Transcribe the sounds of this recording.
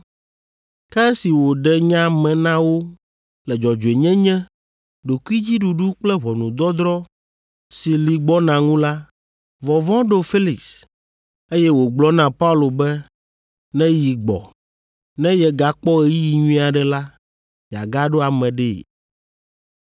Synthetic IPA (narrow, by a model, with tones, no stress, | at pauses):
kɛ˦si˨wo˨ɖɛ˦ɲã˦mɛ̃˨nã˦wo˦ | lɛ˨d͡ʒɔ˨d͡ʒu˨e˨ɲɛ̃˦ɲɛ̃˦ | ɖo˨ku˦i˦d͡ʑi˦ɖu˨ɖu˦k͡plɛ˦ɦɔ˨nũ˨d̪ɔ˦d̪ɾɔ˦ | si˨li˨ɡ͡bɔ˦nã˨ŋũ˦la˦ | vɔ˨vɔ̃˦ɖo˦fe˦li˨ks | e˦jɛ˦wo˨ɡ͡blɔ˦nã˨pa˦u˦lo˨bɛ˦ | nɛ̃˦ji˨ɡ͡bɔ̰˨ | nɛ̃˦jɛ˨ɡa˨k͡pɔ˦ɛ˨ji˦ji˨ɲũ˦i˦a˨ɖɛ˨la˦ | ja̰˨ɡa˦ɖo˦a˨mɛ̃˨ɖɛ̰˦˨